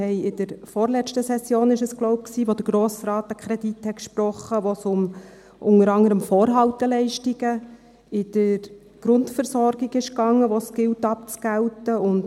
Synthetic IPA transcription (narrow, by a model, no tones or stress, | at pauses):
hɛɪɪd̥əɾfɔːɾlɛstəsɛsjoːnɪʃəsɡ̥loʊp̚ksiːʋodəɾɡɾoːsɾɑːtəkʰχɾɛdithɛtkʃpɾɔχəʋosʊm | ʔʊŋəɾɑŋəɾəmfoːɾɦɑltəlɛɪʃtiɡ̥ə | ɪd̥əɾ | ɡ̥ɾʊntfəɾsɔɾɡ̥iɡɪʃkɑŋːəʋosɡ̥ɪltɑp̚t͡sɡ̥æltəʊnd